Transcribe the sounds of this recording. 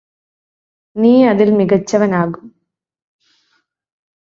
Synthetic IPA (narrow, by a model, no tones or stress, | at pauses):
niːɐðilmiɣɐt͡ɕːɐʋɐnaːɣum